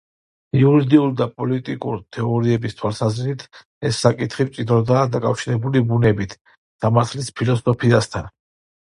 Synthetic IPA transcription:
iuɾid̪iuld̪apʼɔlit̪ʼikʼṵɾt̪ʰɛɔɾiɛbist̪ʰwalˠsazɾit̪ʰ | ɛsːakʼit̪ʰχipt̪sʼid̪ɾɔd̪aːd̪akʼafʃiɾɛbulibunɛbit̪ʰ | samaɾt̪ʰlispʰilɔsɔpʰiast̪ʰan

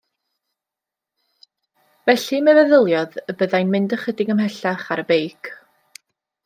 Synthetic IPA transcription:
vɛɬimɛvɛðəlˠjɔðəbəðajnmɪndəχədɪɡəmɦɛɬaχaɾəbejkʰ

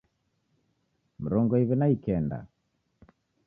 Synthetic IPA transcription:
m̩ɾɔŋɡɔiβinaikɛnda̰

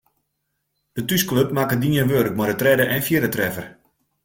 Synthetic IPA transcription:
d̥ətyskløp̚makədiənʋøɾk̚mɔdətrɛdəʔɛnfjɪɾətrɛfər

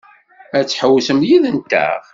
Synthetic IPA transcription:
æt͡sːħəwːsəmjiðənt̪æ̰ʁ

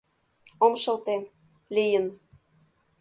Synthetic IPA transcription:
omʃɤ̆lt̪e | lijən

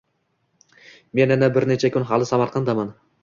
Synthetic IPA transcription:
me̞nænæbɪɾnet͡ʃʰakʲʰʏnɦɑlˠɪsɑmɑɾqʰɑnd̪ɑmɑn

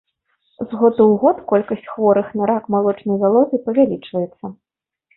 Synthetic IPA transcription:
zɣɔd̪uwɣɔt̪kɔlʲkɐsʲt͡sʲxvɔɾɨxnaɾakmalˠɔt͡ʂnɐjvalˠɔt̪ʲɨjpɐvʲalʲit͡ʂvɐjɛt̪sːɐ

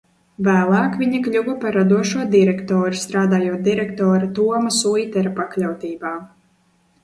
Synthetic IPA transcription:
væːlˠaːkvʲiɲiklʲuɡɔpaɾːad̪uɔʃuɔd̪iɾɛkt̪ɔːɾust̪ɾaːd̪aːjuɔt̪̚d̪iɾɛkt̪ɔːɾat̪uɔmasujt̪ɛɾapaklʲawt̪iːbaː

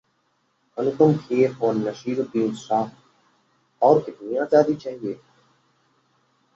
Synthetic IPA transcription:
ɐnuk̪ʊmkʰeːɾoːnːɐʃiːɾup̪iːnsaː | ɔːɾkɪt̪nijãːzaːd̪iːt͡ʃaːɦieː

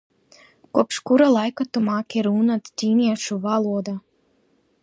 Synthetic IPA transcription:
kuɔpʃkuɾalˠajkat̪umaːkʲiɾuːnat̪t̪ʲiːniɛʃuvalˠuɔd̪a

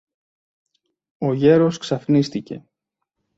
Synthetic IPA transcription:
o̞ʝe̞ɾo̞sksɐfnist̪ice̞

